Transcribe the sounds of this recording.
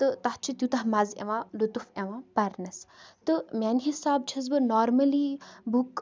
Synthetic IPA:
t̪ɨt̪aht͡ʃʰit̪jut̪ɐɦmɐzḛʋãlut̪ufeʋãpɐɾnɐst̪ɨmʲanɦisaːb̚t͡ʃʰɐz̬bɨnɔːɾmɐlibuk

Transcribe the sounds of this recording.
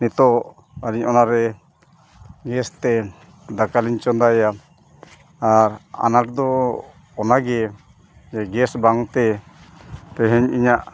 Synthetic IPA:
nit̪ɔʔ | aɾiɲɔnaɾɛ | ɡɛst̪ɛ | d̪akaliɲt͡ʃɔnd̪aja | aɾa̰naʈd̪ɔ | ɔnaɡɛ | d͡ʒɛɡɛsbaŋt̪ɛ | pɛɦɛɲiɲaʔ

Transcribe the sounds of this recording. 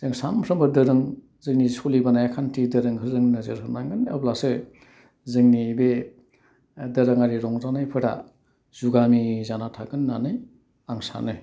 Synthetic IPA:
z̥eŋsampʰɾɯmbɯdɯɾɯŋ | zɯŋnisolibanajakʰantʰidɯɾɯŋhʰɯzɯŋnɯzɯɾɦɯnaŋɡɯna̰blasɯ | zɯŋnibe | dɯɾɯŋaɾiɾɔŋzanajpʰɯɾa̰ | zuɡamizanatʰaɡɯnːanɯj | aŋsa̰nɯj

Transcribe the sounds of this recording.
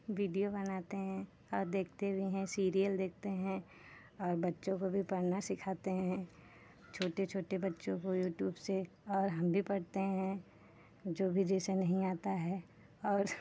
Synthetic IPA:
ʋiːɖijobɐnaːt̪eɦɛ̃ | ɔːɾd̪eːkʰt̪eʊiɦɛ̃siːɾijəld̪eːk̚ʰt̪eɦɛ̃ | ɔːɾbɐtːʃõkobʱipɐɽnasɪkʰaːt̪eɦɛ̃ | t͡ʃʰoːʈet͡ʃʰoːʈebɐtːʃõkojuːʈjuːbse | ɔːɾɦɐmbʱipɐɽt̪eɦɛ̃ | d͡ʒoːbʱid͡ʒɛːsenɐɦĩaːt̪aɦɛː | ɔːɾ

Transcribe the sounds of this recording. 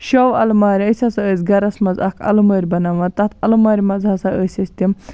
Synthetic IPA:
ʃoːwɐ̰lmaːɾʲɐsʲɐsɐəːzʲɡɐɾɐsmɐzɐ̰kʰɐ̰lɐmɐːɾʲbɐnɐʋɐt̪ɐt̪ʰɐlɐmaːɾʲmɐzɦɐsɐəːsʲɐsʲt̪ʲim

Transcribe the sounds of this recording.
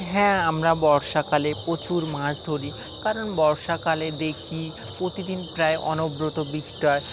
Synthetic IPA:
ɦɛ̃amɾabɔɾʃakalepɾot͡ɕuɾmãʃd̪ʱoɾi | kaɾonbɔɾʃakaled̪ekʰi | pɾot̪id̪inpɾaeʔɔ̰nobɾot̪obiʃʈaɾ

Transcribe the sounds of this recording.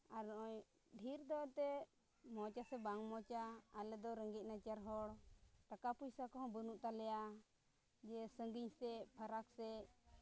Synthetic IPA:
aɾnɔʔɔɲ | ɖʱiɾd̪ɔt̪ɛ | mɔt͡ʃasɛbaŋmɔt͡ʃaːlɛd̪ɔɾəŋɡic̪̚nat͡ʃaɾɦɔɽɾakapujsakɔɦɔ̃bənuʔt̪alɛja | d͡ʒɛsəŋɡiɲsɛpʰəɾaksɛ

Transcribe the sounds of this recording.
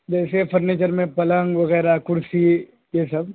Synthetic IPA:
d͡ʒɛːsefʰɐɾneːt͡ʃəɾmẽpɐlə̃ŋɡʋɐɣɛːɾakʊɾsi | jesɐb

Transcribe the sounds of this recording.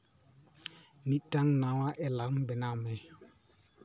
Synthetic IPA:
nĩtãŋnãwaʔɛlaɾm̩bɛnãmɛ̃

